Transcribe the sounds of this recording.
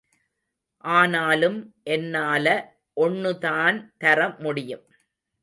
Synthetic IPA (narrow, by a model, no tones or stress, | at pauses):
ʔaːnaːlɯmʔɛnːaːlɐ | ʔɔnːɯðaːnt̪ɐɾɐmʊɽɪjɯm